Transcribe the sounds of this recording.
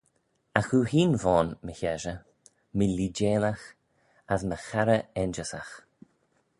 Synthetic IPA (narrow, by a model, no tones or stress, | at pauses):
axuːhiːnvɔːnməçɛʒə | məlid͡ʒeːlax | asməxaɾəɛnd͡ʒəsa̰x